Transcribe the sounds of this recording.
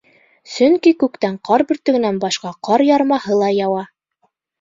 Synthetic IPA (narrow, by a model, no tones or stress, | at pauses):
sɵŋkikʉkt̪æɴqɑɾbɵ̆ɾt̪ɵ̆ɡɘ̆nænbɑʃqɑqɑɾjɑɾmɑhɤlˠɑjɑwɑ